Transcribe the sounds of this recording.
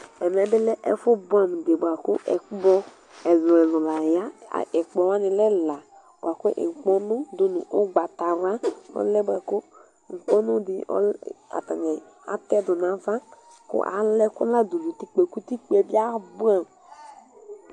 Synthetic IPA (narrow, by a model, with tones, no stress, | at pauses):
ɛ˨mɛ˨bɪ˦lɛ˦ʔɛ˦fʊ˦bu˦a˨m˨de˨bʷa˨kʊ̰˦ʔɛ̰˨kbɔ˦ | ɛ˨lʊ˨ɛ˨lʊ̃˨la˨ja̰˦˨ɛ˨k͡pɔ˨wa˦nɪ˨lɛ˦la˨ | b̰a˨kʊ˦ʔḛ˨ŋ̩˨k͡pɔ˦nʊ˦dʊ˦nʊ̰˨ʔʊ˦ɡ͡ba˨ta˨wa˦ɔ̰˦lɛ˦ba˨kʊ˦˨ | k͡pɔ˦nʊ˦dɪ˨ʔɔ̰˦a̰˨ta˨ɲɛ˨ | a̰˦tɛ˦˨dʊ˨n˨a˨˦vã˦ | kʊ̰˦ʔa̰˨lɛ˦kʊ˦la˦du˨du˨ti˦k͡pe˨ku˦ti˦k͡pɛ˨bi˦a˦bu˦a˨m